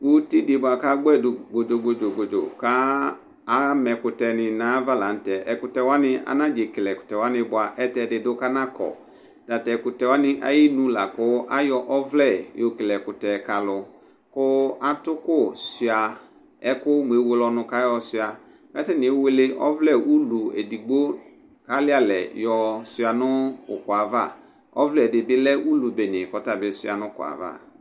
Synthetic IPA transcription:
wo˦ti˦de˨bʊ˨a˨ka˦ɡ͡bɛ˦˨dʊ˨ɡ͡bo˨d͡ʒo˨ɡ͡bo˨d͡ʒo˨ɡ͡bo˨d͡ʒo̰˨kaː˦ | mɛ˨kʊ˨tɛ˨nɪ̃˨nãː˨˦va˦la˨n̩˦tɛ˨ʔɛ˨kʊ˨tɛ˨wa˦nɪ˦a̰˨nã˦d͡ʒe˨klɛ˨kʊ̥˨tɛ˨wa˦nɪ̃˦bʊ˨˦a˨ʔɛ˦tɛ˨dɪ˨dʊ˦ka˦nã˦kʰɔ̰˨ | d̥a˨tɛ˨kʊ˨tɛ˨wa˦nɪ˦ʔa̰˦ji˦nũ˦la˨kʊ˦ʔa˦jɔ˨ʔɔ˦vlɛ˦˨jo˨klɛ˨kʊ˨tɛ˨ka˨lʊ˨ | kʊ˦a˦tʊ˦kʊ˦˨si˨a˨ | ɛ˦kʊ˦m˨e˨˦wo˦lɔ˦nʊ̃˦ka˦jɔ˦sɪ˦a˨ | kɛ˦tɛ˦nɪ̃˨e˦we˦le˦ʔɔ̰˦vlɛ˦˨u˦lu˨ḛ˨di˨ɡ͡bo˦ | ka˦lɪ˦a˦lɛ˨jɔ˨sɪ˨a˨nʊ˦ʊ̰˨kʊ˨a˨va˦˨ | ɔ̰˦vlɛ˦˨dɪ˨bɪ˦lɛ˦ʔu˦lu˨be˨nɪ̃˨kɔ˨ta˨bɪ˨˦sʊ˦a˨nʊ̃˦kʊ̰˨a̰˨va̰˦˨

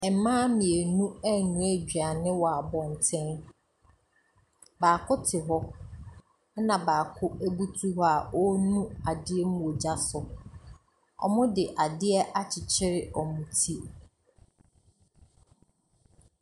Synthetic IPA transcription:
ɛ˨˦mãː˦mĩ˨e˨nũ˦æ˦nũ˨æ˨d͡ʑᶣi˨a˨nɪ̃˦wɔ˨a˨bɔ̃˨n˨tʰɪ̃˦n | baː˨kʰʊ˦tʰɪ˨ɦɔ˦ | nã˨baː˨kʰʊ˦ʔæ˦bu˦tʰu˦ɦɔ˦a˨ɔ˦nũ˦a˨dɪ˦ɛ˦m˦ũ˦˨o˨d͡ʑa˦sʊ˨ | ɔ̰˨mʊ̃˦dɪ˨ʔa˨dɪ˦ɛ˦ʔa˦t͡ɕʰɪ˨t͡ɕʰɪ˦ɾɪ˦ʔɔ˨mʊ̃˨tʰi˦

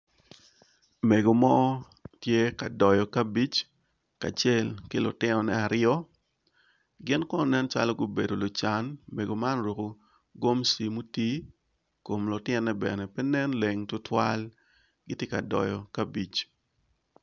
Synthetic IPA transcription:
me˨ɡo˨mɔ˦ | tje˦ka˨dɔ˨jɔ˨ka˦bi˦t͡ʃ | ka̰˨t͡ʃe˦lkɪ˦lʊ̰˨tɪ˦nɔ˨nɛ˦a˨ɾɪɔ˦ | ɡɪ˦nkɔ˦nɔ˨nɛ˦nt͡ʃa̰˦lɔ˦ɡo˦be˨do˨lʊ˨t͡ʃa˨˦nme˨ɡo˨ma˦nɾo˨ko˨ | ɡo˦msi˨mu˦ti˦ | ko˨mlʊ˨tɪɪ˦nːɛ˦bɛ̰˨nɛ˨pɛ˦nɛ˦nle˨ŋtʊ˦tʰwa˦l | ɡɪ˦tje˦ka˨dɔ̰˨jɔ˨kabi˨t͡ʃ

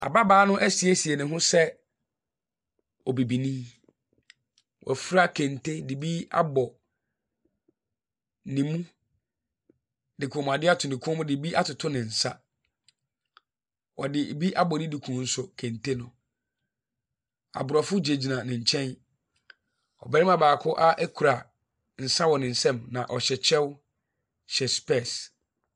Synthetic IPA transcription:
a̰˨ba˦baː˦nʊ̃˦ʔɛ˦si˨e˦si˨e˨nɪ̃˨ɦʊ̃˦sɛ˦ | ɔ˨bi˨bi˨nĩ˦ | wʔɔ̰˨fɾa˦kʰɛ̃˨ntʰe˦di˨bi˦a̰˦bɔ˨ | nĩ˨mũ˦ | dɪ˨kʰʊ̃˨˦m˨a˨dɪ˦a˦tʰʊ˨nɪ̃˨kʰʊ̃˦m˦dɪ˨bi˦ʔa˦tʊ˨tʰʊ˦nɪ̃˨n̩˨sa˦ | wɔ˨dɪ˨bi˦ʔa˦bɔ˨nɪ̃˦di˨kʰũ˨˦n̩˦sʊ˨kʰæ̃˨n˨tʰe˦nʊ̃˨ | a̰˨bʊ˨ɾɔ˨fʊ˦d͡ʑe˨d͡ʑi˨nã˨nɪ̃˨ɲ̩˨t͡ɕʰɛ̃˦n | ɔ̰˨bɛ˦ɪ˦ma˨baː˨kʰʊ˦ʔa˦ʔæ˦kʰu˨ɾa˨ | n̩˨sa˦wɔ˨nɪ̃˨n̩˨sɛ̃˦mnã˨ʔɔ˨ɕɛ˨t͡ɕʰɛ˦w | ɕɛ˨spɛ˦˨s

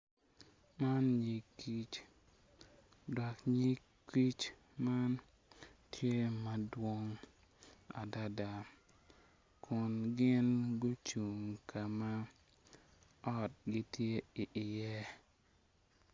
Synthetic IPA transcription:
ma˦nɲi˨kːi˦t͡ʃ | dɔ˨kɲi˦k | i˦t͡ʃ | ma˦n | tʰje˦ma˨dwo˦ŋ | a̰˨da˦da˨ | kʰʊ˨nɡɪ˦nɡʊ˦t͡ʃu˨ŋkʰa˨ma˦ | ɔ˦t̚ɡɪ˦tʰje˦i˨ʔɪ˨jɛ˦

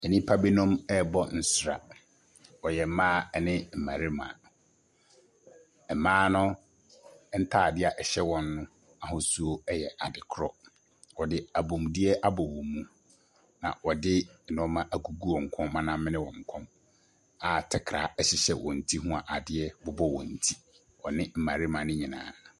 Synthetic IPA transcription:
ɛ˨nĩ˦pʰa˦bi˦nɔ̃˦mɛ˦bɔ˦n̩˦sʊ˦ɾa̰˨ | wɔ˨jɛ˨˦mãː˦ɛ˨nɪ̃˦m̩˨mã˨ɾi˦mã̰ː˨ | ɛ˨mãː˦nʊ̃˦ | n̩˦tʰa˦˨dɪ˦a˨ʔɛ˨ɕɛ˦wɔ̃˦nːʊ̃˦ | a˨ɦʊ̃˨su˦o˦ɛ˦jɛ˨ʔa˨dɪ˨kʰɾɔ˦ | wɔ˨dɪ˦a˨bõ˨m˨dɪ˦ɛ˦ʔa˦bɔ˨wɔ̃˨mũ˦ | nã̰˨wɔ˨dɪ˦˨nɔ̃˦mã˦ʔa˨ɡu˨ɡu˦ɔ̃˨ŋ̩˨kʰɔ̃˦mmã˦nã˦mɪ̃˦nɪ̃˦wɔ̃˨ŋ̩˨kʰɔ̃˦m | a˨tʰɛ˨kʰɾa̰˨˦ɛ˦ɕɪ˦ɕɛ˨wʔɔ̃˨n̩˨tʰi˦ɦũ˦a˨ʔa˨dɪ˦ɛ˦bʊ˨bɔ˦wɔ̰̃˨n̩˨tʰi̥˦ | ɔ˨nɪ̃˦m̩˨mã˨ɾɪ˦mã˨nʊ̃˦ɲĩ˨nã̰ː˨

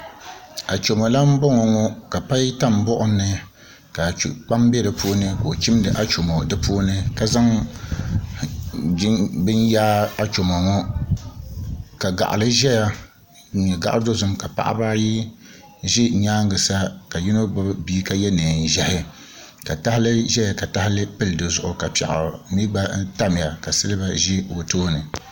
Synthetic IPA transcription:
a˨t͡ʃo˨mɔ˨la˦m̩˦bɔ˦ŋɔ˨ŋɔ˦ka˨pa˦jta˦˨m˨bɔ˦ʔʊ˦nːɨ˨ | ka˨k͡pa˦mbɛ˦lɨ˨puː˦nɨ˦koː˨t͡ʃɪ˦m˦dɨ˨ʔa˦t͡ʃo˨mo˨dɨ˦pʰuː˦nɨ˦ka˦za˦ŋ˦ | bɨ˦njaː˦a˦t͡ʃo˨ma˨ŋɔ˦ | ka˨ɡa̰˨ʔa̰˨lɨ˦ʒɛ˦ja˦ | ɲɛ˨ɡa˦ʔa˦do˦zʊ˦mka˨pa̰˨ʔa̰˦ba˦ji˦ | ʒɪ˦˨ɲaː˦ŋ˦ɡɨ˨sa˦ka˨ji˦no˦bʊ˦biː˦ka˦jɛ˦nɨː˨n˨ʒɛ˦hɪ˦ | ka˨ta˦hɪ˦lɨ˦ʒɛ˦ja˨ka˨ta˦hɪ˦lɨ˦pɨ˦ldɨ˨zʊ˦ʔʊ˨ka˨pɛ̰˨ʔa̰˨˦mi˦ba˦n˦ta˦m˨ja˨ka˨sɨ˦lɨ˦ba˨ʒɪ˦wo˨toː˦nɨ˨

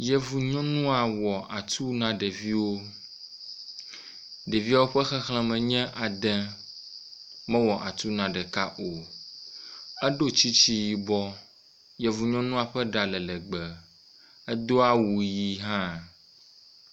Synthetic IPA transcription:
jɛ˨vu˨ɲɔ̃˦nũ˦a˨wɔ˨ʔa˨t̪u˦nã˦ɖe˨vi˦wo˦ | ɖe˨vi˦a˦wo˦ɸɛ˦xɛ˦xl̃ɛ̃˦mɛ̃˨ɲɛ̃˦ʔa˨d̪ɛ̃˦ | mɛ̃˦wɔ˨ʔa˨t̪u˦nã˨ɖɛ˨ka˦ʔo˨ | ɛ˦ɖo˦t͡ɕi˦t͡ɕi˦ji˨bɔ˦ | jɛ˨vu˨ɲɔ̃˦nũ˦a˨ɸɛ˦ɖa˨lɛ˨lɛ˨ɡ͡bɛ˨ | ɛ˦d̪o˦a˦wu˨ji˦ɦã˦

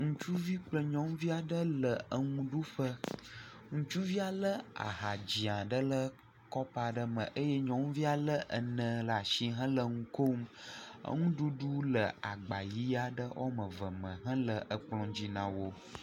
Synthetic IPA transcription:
ŋũ˦t͡ʃu˦vi˦k͡plə˦ɲɔ̃˦m˦vi˦a˨ɖə˦lə˨ə˦ŋũ˦ɖu˦ɸə˦ | ŋũ˦t͡ʃu˦vi˦a˨lə˦a̰˨ɦa˨d͡ʑi˨ã˨ɖə˦lə˦ | kɔ˦pa˨ɖə˦mə̰̃˨ʔə˦jɛ˦ɲɔ̃˦ŋ˦vi˦a˨lə˦ʔə˨nə̃˨la˨ʃi˦ɦə̃˦lə˨ŋũ˦ko˦mə̰˦ŋũ˦ɖu˦ɖu˦lə˨a˨ɡ͡ba˨ji˦a˨ɖə˦ʔo̰˦mə̃˨və˨mə̃˨ɦə̃˦lə˨ʔə˨k͡plɔ̃˨d͡ʑi˦nã˨wo˦

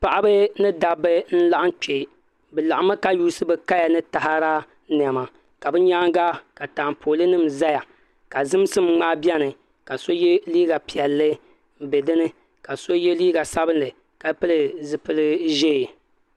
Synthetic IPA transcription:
pa˨ʔa˦bɨ˦nɨ˦da˨bɨ˦n̩˦la˦ʔa˦t͡ʃe˨ | bɨ˨la˨ʔa˦ma˦ka˦juː˦sɨ˦bɨ˦ka˦ja˨nɨ˦ta˨ha˦ɾa˦ | n˨ɛ˨ma˨ | ka˨bɨ˦ɲa˦ŋɡa˦ka˨taː˨mpʰoː˨lɨ˦nɨ˦˨mza˦ja˨ | ka˨zɨ˦m˦sɨ˦mŋ͡maː˦bjɛ˦nɨ˨ | ka˨so˦je˦liː˦ɡa˨pi˨ɛ˨lːɨ˦ | m̩˦be˨dɨ˦nɨ˦ | ka˨so˦je˦liː˦ɡa˨sa˦bɨ˦nlɨ˨ | ka˨˦pɨ˦lɨ˨zɨ˨pɨ˦lɨ˦ʒe˦˨

